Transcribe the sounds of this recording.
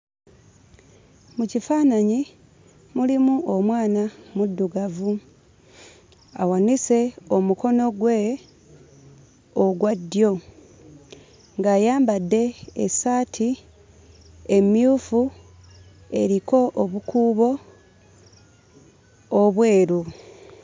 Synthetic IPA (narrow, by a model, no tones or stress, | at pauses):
mucifaːnaɲi | mulimuʔomwaːnamudːuɡavu | a̰wanise̞o̞muko̞no̞ɡwe | oɡwadːjo̞ | ŋɡaːjaːmbadːe̞esaːtʰi | e̞mjuːfu | e̞ɾiko̞ʔoβukuːβo̞ | βwe̞ːɾu